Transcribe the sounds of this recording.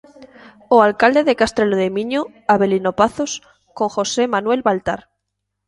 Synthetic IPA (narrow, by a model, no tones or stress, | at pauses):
oalkald̪e̞ðe̞kast̪ɾe̞loðemĩɲo | aβe̞lino̞paθo̞s | ko̞ŋxo̞se̞manwe̞lβalt̪aɾ